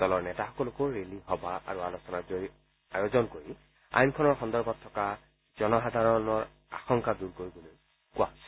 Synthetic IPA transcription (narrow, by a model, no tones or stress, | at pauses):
d̥ɔlɔɹnɛtaxɔ̥kɔlokoɹeliɦɔbaʔa̰ɹualosɔnazoɹi | ajozɔnkoɹi | a̰jnkʰɔnɔɹxɔndɔɹbɔtʰːɔka | z̥ɔnɔɦad̪ʱaɹɔnɔɹ | a̰xɔŋkaduɹkoɹiboloj | kua̰ɦosɛ̥